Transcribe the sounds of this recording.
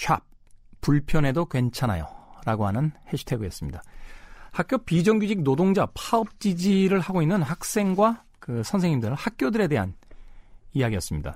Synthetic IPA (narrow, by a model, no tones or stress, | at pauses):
ɕʰa̰p̚ | p͈ːuɭpʰjʌne̞dokwe̞nt͡ɕʰana̰jo̰ɾaɡoɦanɯnheɕʰi̥tʰe̞ɡɯjʌs͈ɯmɲḭdahak͈̚jopid͡ʑʌŋɡud͡ʑik̚nodoŋd͡ʑapʰaʌp̚t͡ɕ͈id͡ʑiɾɯɭhaɡoinːɯnhak̚s͈e̞ŋɡwa | kɯsʰʌnsʰeŋɲimdɯɭhak̚k͈jodɯɾe̞de̞ɦa̰n | ijaɡijʌs͈ɯmɲida̰